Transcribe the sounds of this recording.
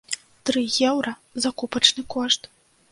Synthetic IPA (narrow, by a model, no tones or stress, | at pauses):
t̪ɾɨjɛwɾɐzakupɐt͡ʂnɨkɔʂt̪